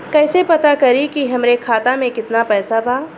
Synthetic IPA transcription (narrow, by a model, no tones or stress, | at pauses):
kɛːsepɐt̪akɐɾikiɦɐmɾekʰaːt̪amẽkɪt̪napɛːsabaː